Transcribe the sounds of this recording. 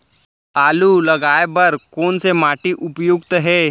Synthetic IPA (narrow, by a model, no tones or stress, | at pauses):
aːlulɐɡaːebɐɾkoːnsemaːʈiʔʊpjʊɡt̪ɦɛː